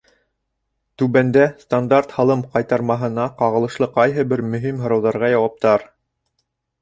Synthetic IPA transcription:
t̪ʉβænd̪æst̪and̪art̪hɑlˠɤmqɑjt̪ɑɾmɑɦɤ̆nɑqɑʁɤ̆lˠɤ̆ʃlˠɤqɑjɦɤbɘɾmɵ̆ɦimɦŏɾɑ̆wðɑɾʁɑjɑwɑp̚t̪ɑɾ

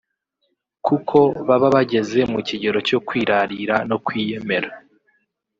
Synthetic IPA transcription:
kukʰo̞βaβaβaɟe̞ze̞muciɟe̞ɾo̞co̞kwiːɾaɾiɾano̞kwiːje̞me̞ɾa

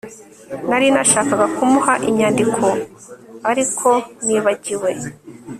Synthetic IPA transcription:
naɾinaʃaːkaɡakumuhaʔimɲaːndikʰo̞ | aɾikʰo̞niːβaɟiwe̞

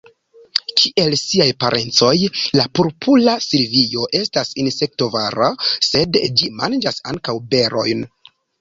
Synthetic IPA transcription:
kʰiʔe̞lsiajpaɾʔe̞nt͡so̞jlapoɾpʰulasilvijo̞ʔe̞stasinse̞k̚tovaɾase̞dd͡ʒimand͡ʒasa̰ŋkawbe̞ɾo̞jn

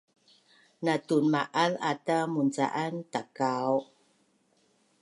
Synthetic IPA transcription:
natunmaʔala̰tamunt͡sa̰ʔantakaw

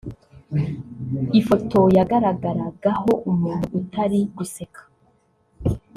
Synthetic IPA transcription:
ifoto̞jaɡaɾaɡaɾaɡaho̞ʔumuːn̥uʔːtaɾiβisekʰḁ

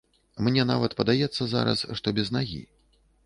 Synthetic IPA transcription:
mnʲɛna̰vɐt̪pɐd̪ajɛt̪sːɐza̰ɾɐ̰sʂt̪ɔbʲɛznaɣʲḭ

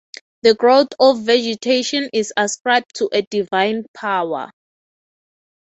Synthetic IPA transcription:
ðəɡɹoθɔfːɛd͡ʒɛtʰeʃɔ̃nisaskɹajb̚tʰːuʔɛdivãjnpʰawa̰

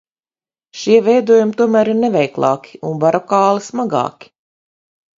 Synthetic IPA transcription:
ʃiɛvɛjd̪uɔjumt̪uɔmæːɾiɾnɛvʲɛjklˠɑ̰ːkʲi̥unbaɾɔkɑːlˠismaɡɑ̰ːkʲi̥

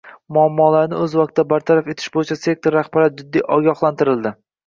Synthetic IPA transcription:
mʊamːɒːlaɾnɪɵzwɒk̚t̪ʰːd̪abaɾt̪ʰaɾafe̞t̪ʰɪ̥ʃbojɪt͡ʃʰase̞k̚t̪ʰoɾːaχbpaɾat̪̚d͡ʒɪd̪ːijʔɒɡʲɒhlˠant̪ʰɪɾɪld̪ɪ

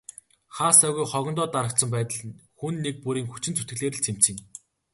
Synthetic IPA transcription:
χaːsæːɣujχɔɣʲɞ̆nt̪ɔːt̪aɾə̆k̚t̪sə̆mpæːt̪ə̆ɮxunːek̚puɾiːŋxut͡ɕɪ̆nt͡sʰut̪ɡɘ̆ɮeːɾɘ̆ɮt͡sʰem̥t͡sĭːŋ

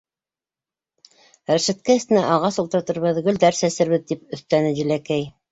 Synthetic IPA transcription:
ɾæʃæt̪̚kæɘ̆st̪ɘ̆næʔɑʁɑsulˠt̪ɤ̆ɾt̪ɤ̆ɾβɤðɡɵ̆ld̪æɾsæsɘ̆ɾβɘðt̪ip̚ɵ̆θt̪ænɘʑɘ̆lækæj

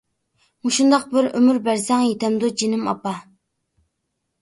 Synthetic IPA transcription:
muʃund̪ɑq̚bɪɾømyɾbæɾsɛŋjet̪ʰɛmd̪ud͡ʒinɪmɑ̰pɑ

